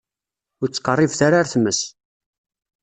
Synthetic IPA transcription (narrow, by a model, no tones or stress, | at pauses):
ʊɾt͡sːqːərˤːivθaɾaɾθməs